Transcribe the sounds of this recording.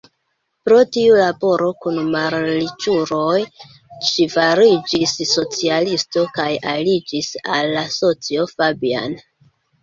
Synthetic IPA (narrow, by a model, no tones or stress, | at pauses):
pɾo̞tiulabo̞ɾo̞kunmaɾlit͡ʃuɾo̞j | ʃivaɾid͡ʒisːo̞t͡sialisto̞kajalid͡ʒisalːaso̞t͡sio̞fabia̰n